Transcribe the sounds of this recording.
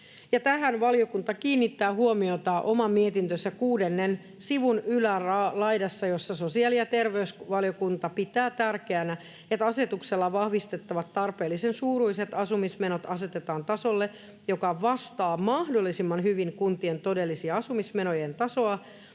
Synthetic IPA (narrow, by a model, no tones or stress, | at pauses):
jɑt̪æɦænʋɑljo̞kunt̪ɑkiːnːit̪ːæːhuomiot̪ɑʔomɑmiet̪int̪øsækuːdenːen | siʋunylærlɑidɑsːɑjo̞sːɑsosiɑlijɑt̪erʋeysʋɑljokunt̪ɑpit̪æːt̪ærkeænæ | et̪ɑse̞t̪ukselːɑʋɑhʋist̪et̪ːɑʋɑt̪ːɑrpeːlːisensuːɾuise̞t̪ɑsumismenot̪ɑse̞t̪et̪ɑːnt̪ɑsolːe | jo̞kɑʋɑst̪ɑːmɑhdolːˑisimːɑnɦyʋiŋkunt̪ient̪o̞delːisiɑɑsumismenojent̪ɑso̞ɑ